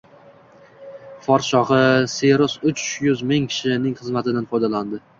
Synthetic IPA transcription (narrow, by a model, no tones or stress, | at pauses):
fɒɾʃɒʁɨseɾɒsʊt͡ʃjʊzmɪŋkʲʰɪ̥ʃɪnɪŋχɨzmat̪ʰɪd̪anfɒjd̪aland̪ɪ